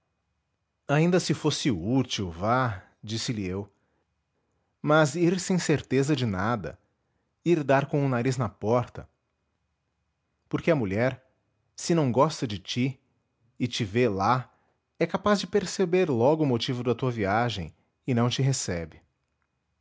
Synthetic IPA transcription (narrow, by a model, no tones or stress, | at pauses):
aĩnd̪ɐsɪfosɪut͡ʃiwva | d͡ʒisɪliew | mɐziɾsẽj̃seɾt̪ezɐd͡ʒɪnad̪ɐ̰ | iɾd̪aɾkõũnaɾiznɐpɔɾt̪ɐ | poɾkeɐmuʎɛɾ | sɪnɐ̃w̃ɡɔst̪ɐd͡ʒɪt͡ʃi | ɪt͡ʃɪvela | ɛkapazd͡ʒɪpeɾsebeɾlɔɡʊːmot͡ʃivʊd̪ɐt̪uɐviaʒḛ̃j̃ | ɪnɐ̃w̃t͡ʃɪɦesɛbɪ